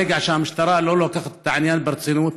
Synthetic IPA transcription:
iɡʕaʃaːnmʊʃt̪ɑɾˤɑːʔloːlokaxt̪ˤt̪ːaʕanjaːnbɑɾsˤinuːt̪

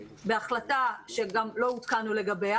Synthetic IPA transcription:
be̞aχlataʃeɡamlo̞ut̪kanule̞ɡabea

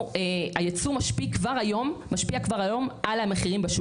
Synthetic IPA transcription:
eajat͡sumaʃpikvaʁajomːaʃpiakvaʁajo̞mʔalhameχiʁimbaʃ

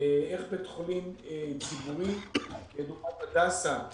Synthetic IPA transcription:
eeχbet̪χolimet͡sibuʁimled̪uɡmatad̪asa

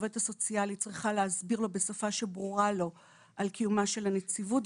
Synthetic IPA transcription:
vetaso̞t͡sialit͡sʁiχaleazbiʁlo̞be̞safaʃe̞bʁuʁalo̞ | ʔalkijumaʃe̞lanet͡sivut

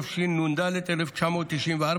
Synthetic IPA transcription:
fʃinːund̪aːlet̪eɾift͡ʃʰɐmot̪iʃinʋaɾ

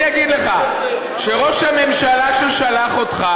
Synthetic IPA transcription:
aɡid̪leχa | ʃe̞ʁo̞ʃhame̞mʃalaʃelʃalaχo̞t̪χa

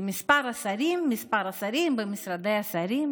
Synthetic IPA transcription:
mispaɾasaɾimːispaɾasaɾimbəmisɾad̪ɛjasaɾim

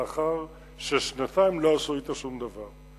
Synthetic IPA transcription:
aχaʁ | ʃeʃnat̪ajmlo̞asoit̪aʃumd̪avaʁ

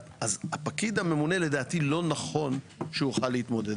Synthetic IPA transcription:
ʔazhapakid̪hame̞mune̞le̞d̪aːt̪ilo̞naχo̞n | ʃeuuχalːeit̪mo̞d̪e̞d

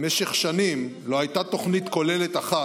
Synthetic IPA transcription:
meʃeχʃanimlo̞ajt̪at̪o̞χnit̪ko̞le̞le̞t̪aχa

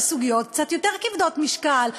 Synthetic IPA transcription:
suɡijot̪k̚t͡sat̪jot̪eʁkivd̪ot̪miʃkal

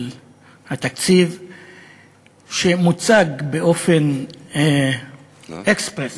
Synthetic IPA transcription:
l | hat̪akt͡siv | ʃemut͡saɡbeʔo̞fen | ekspʁes

